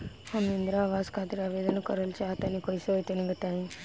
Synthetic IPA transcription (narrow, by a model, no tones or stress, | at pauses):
hɐmind̪ɾaːʋaːskaːt̪iɾaʋeːd̪ɐnɐkɔɾɐlt͡ʃaːt̪ɐnikojsojt̪eniɡɐt̪aːi